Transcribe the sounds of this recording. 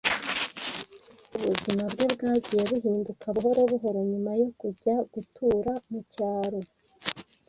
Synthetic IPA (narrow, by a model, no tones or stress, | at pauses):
uβuzimabɡe̞bɡaːɟije̞βuɦiːndukʰaβuɦo̞ɾo̞βuɦo̞ɾo̞ɲumajo̞kuɟaɡ̥utʰuːɾamucaːɾo̞